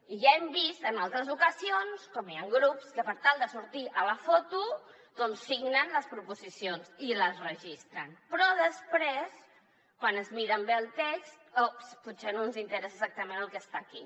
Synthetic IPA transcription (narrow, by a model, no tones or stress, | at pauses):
iʒaembist̪ənalˠt̪ɾəzukəzionskɔmiaŋɡɾupskəpəɾt̪alˠd̪əsuɾt̪iʔələfɔt̪u | d̪ɔnsːiɡnənləspɾupuzisijonziləzrəʒist̪ɾənpɾɔðəspɾes | kwanəzmiɾəmbeəlˠt̪ekst̪osput̪senonzint̪əɾɛsəzak̚t̪əmenəlˠkəst̪aki